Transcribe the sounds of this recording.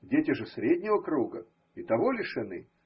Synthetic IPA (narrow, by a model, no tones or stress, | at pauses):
dʲetʲɪʐɨsɾʲedʲnʲɪvəkɾuɡə | it̪ɐvolʲɪʂɐnɨ̰